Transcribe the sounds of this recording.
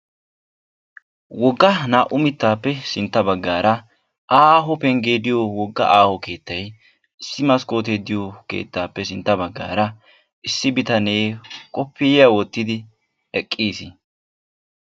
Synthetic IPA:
wɔɡːɐnaːʔʊmɪt̪ːaːpːɛsɪnt̪ːɐbɐɡːaːɾɐ | ʔaːɦɔpɛŋɡeːd̪ɪjowɔɡːɐ̰ʔaːhɔke̞ːt̪ːɐj | ɪsːɪmɐskʼo̞ːt̪ed̪ɪjokḛːt̪ːaːpːɛsɪnt̪ːɐbɐɡːa̰ːɾɐ | ʔɪsːɪbɪt̪ɐne̞ːkʼɔpːɪjɪjawɔt̪ːɪd̪ɪ | ɛkʼːiːsɪ

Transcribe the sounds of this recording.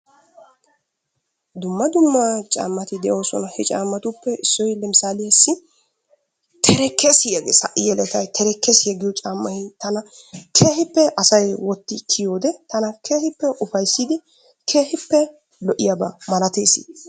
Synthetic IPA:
d̪ʊmːɐd̪ʊmːat͡ʃʼa̰ːmːɐt̪ɪd̪ɛjo̞ːsɔ̰nɐhɛt͡ʃʼaːmːɐt̪ʊpːɛɪsːɔjlɛmɪsaːlɪjɐsːɪ | t̪ʰɛɾɛkːesɪjɐɡesɐ̰ʔɪjɛlɛt̪ɐjt̪ʰɛɾɛkːɛsɪjɐɡɪjɔt͡ʃʼaːmːɐhɪt̪ɐnɐ | kʰe̞ːhɪpːɛʔɐsɐjwɔt̪ːɪkʰːɪjoːd̪ɛt̪ɐnɐkʰeːhɪpːɛʔʊfɐjsːid̪ɪ | kʰe̞ːhɪpːɛ | lɔʔɪjɐbɐmɐlɐt̪eːsɪ̰

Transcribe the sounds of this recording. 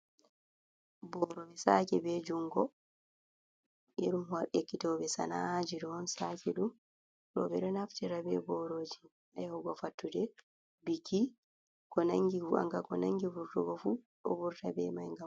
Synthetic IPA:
bɔɾobɛsakɛbɛd͡ʒuŋɡɔ | jeɗumwaɾʔekːitɔbɛsa̰nad͡ʒidɔnsakɛɗum | ɾɔ̰bɛɗɔnaftiɾabɛ̰bɔɾod͡ʒi | ajhɔɡɔfatːudɛ | biki | kɔnaŋɡivuʔa̰ŋɡakɔnaŋɡivuɾtuɡɔfu | ɗo̰buɾtabɛ̰majŋɡam

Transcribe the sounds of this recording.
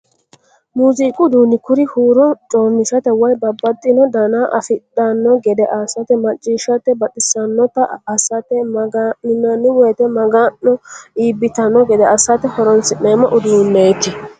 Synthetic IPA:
muːziːkʼʊd̪uːnɪkʊɾɪhuːɾɔt͡ʃʼoːmːɪsɐt̪ɛwɐjbɐbːɐt̪ʼːɪnɔd̪ɐnaːʔɐfɪt̪ʼːɐnːɔɡɛd̪ɛʔɐsɐt̪ɛmɐt͡ʃʼːiːʃɐt̪ːɛbɐt̪ʼɪsɐnːɔt̪ːɐɐsɐt̪ɛmɐɡaɪnɐnːɪwɔjt̪ɛmɐɡanːɔiːbɪt̪ɐnːɔɡɛd̪ɛɐsɐt̪ɛhɔɾɔnsɪneːmɐʔʊd̪uːnːejt̪ːɪ

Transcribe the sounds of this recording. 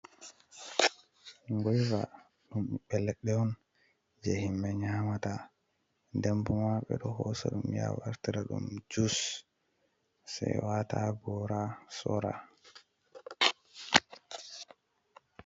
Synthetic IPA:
ŋɡɔjva̰ | ɗumɓɛlːɛɗːɛwɔn | d͡ʒehimːɛɲaːmata | ndɛmbumaɓɛ̰ɗɔhɔsɛɗumja̰waɾtiɾaɗṵmd͡ʒus | sajwataɡɔɾasɔɾa̰

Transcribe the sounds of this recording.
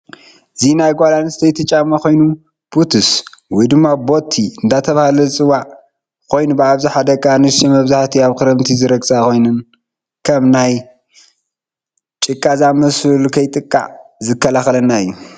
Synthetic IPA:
ɨzinajɡʷalanst̪ʰɐjt̪ʰɨt͡ʃʼamːɐko̞jnu | b̥ut̪ʰɨswɔjd̪ɨmːabo̞t̪ʰːiɨnd̪at̪ʰɐβahalɐt͡sʼɨwːaʕ | kʰo̞jnubɨaβzaħad̪ɐɡʼanɨʃimɐβzaħt̪ʰiaβkɨɾɐmt̪ʰizɨɾɐɡsʼako̞jnɨn | kʰɐmnaj | t͡ʃʼɨkʼːazamɐsulkʰɐjt̪ʼɨkʼːa̰ʕzɨkːɐlaxɐlɐnːaɨjːu

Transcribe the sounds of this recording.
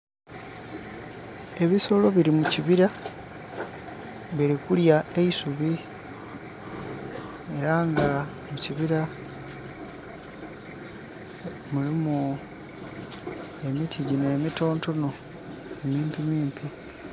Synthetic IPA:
e̞βiso̞lo̞βiɾimuciβiɾa | βiɾikuljae̞isuβi | e̞ɾaŋɡa | muciβiɾa | mulimu | e̞mitʰiɟine̞mito̞ːnto̞no̞ | emiːmpimiːmpʰi

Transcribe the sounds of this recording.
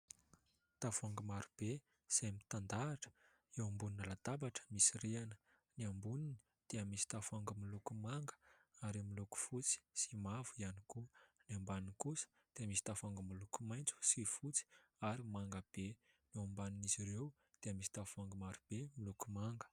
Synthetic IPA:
t̪avuaŋɡəmaɾub̥e | z̥amit̪and̪aːʈ͡ʂə̥ | ewambuninəlat̪abaʈ͡ʂə̥misiɾeanə̥ | niambunini̥ | d̪̥eəmisi̥t̪avuaŋɡəmilukumaŋɡə̥aɾimiluku̥fut͡si̥simavuianikuniambaninkusə̥ | d̪̥eamisi̥t̪avuaŋɡəmilukumajnt͡su̥sifut͡si̥aɾimaŋɡəb̥e | niambaniniziɾew | d̪̥eəmisi̥t̪avuaŋɡəmaɾub̥emilukumaŋɡə̥

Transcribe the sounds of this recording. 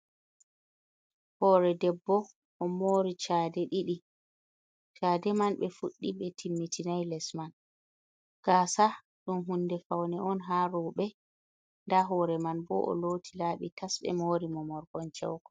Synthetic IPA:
hɔːɾɛdɛbːɔ | ʔɔmoːɾit͡ʃaːdɛɗiɗi | t͡ʃaːdɛmanɓɛfuɗːibɛtʰimːitʰinajlɛsman | ɡ̥aːsa | ɗumɦundɛfawnɛɔnɦaɾɔɓɛ | ndaɦɔːɾɛmanbɔ̰ʔɔ̰lotʰilaːɓitʰasɓɛ̰moːɾimɔmɔɾɡɔnt͡ʃɛ̰wkɔ̥

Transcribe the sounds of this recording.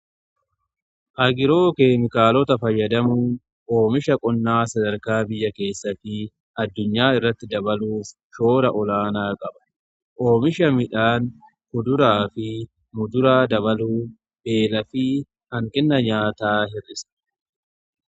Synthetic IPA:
ʔɐɡɪɾo̞ːkeːmɪkaːlɔt̪ɐfɐjːɐd̪ɐmuː | ʔo̞ːmɪʃɐkʼɔnːaːsɐd̪ɐɾkaːbɪjːɐke̞ːsːɐfɪ | ɐd̪ːʊɲːaːɪrːɐt̪ːɪd̪ɐbɐluːf | ʃo̞ːɾɐʔɔlaːnaːkʼɐbɐ̥ | ʔo̞ːmɪʃɐmɪᶑaːn | hʊd̪ʊɾaːfɪ | mʊd̪ʊɾaːd̪ɐβɐluː | be̞ːlɐfɪ | hɐŋkʼɪnːɐɲaːt̪aːɦɪrːɪs

